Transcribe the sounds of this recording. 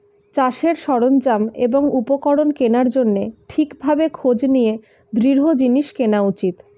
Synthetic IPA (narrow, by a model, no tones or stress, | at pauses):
t͡ɕaʃeɾʃɔɽond͡ʑameboŋupokɔɽonkenaɾd͡ʑonːeʈʰikbʱabekʰod͡ʑnije | d̪ɾiɾɦod͡ʑiniʃkenaut͡ɕit̪